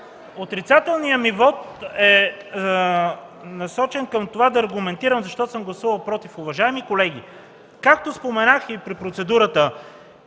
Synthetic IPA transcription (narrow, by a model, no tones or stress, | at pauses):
ot̪ɾit̪sat̪ɛlˠnijəmivɔt̪ɛ | nɐsɔt͡ʃɛnkəmt̪ovad̪ɐːɾɡʊmɛnt̪iɾəmzɐʃt̪ɔt̪səmɡlˠɐsuvɐlˠpɾɔt̪ifʊvɐʒaɛmikolɛɡ̟ʲḭ | kak̚t̪ospomɛnaxipɾipɾot̪sɛd̪uɾət̪ə